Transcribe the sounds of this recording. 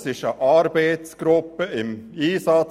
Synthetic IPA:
sɪʃəʔɑɾbeɪt̪sɡ̥ɾʊpːəɪmiːsɑt͡s

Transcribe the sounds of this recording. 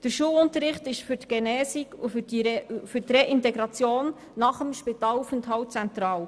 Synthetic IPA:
d̥əɾʃuəwʊntəɾɪχtɪʃfytɡ̥enɛːsikufifyɾtreʔɪnteɡɾɑt͡sjoːnː | ɑχəmʃpit̪ɑːlufənthɑwt͡sɛnt̪ɾɑːl

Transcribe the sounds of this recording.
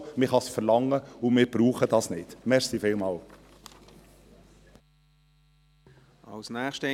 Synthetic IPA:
mɪχɑsfəɾlɑŋːəʊmɪːɾb̥ɾuːχəd̥ɑːsnɪd̥mɛɾsifeːlmɑːl | ɑ̰lsnɛːχʃt

